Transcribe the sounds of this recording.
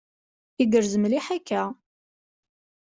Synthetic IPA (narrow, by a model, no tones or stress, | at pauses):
iɡəɾzəmliħakːæ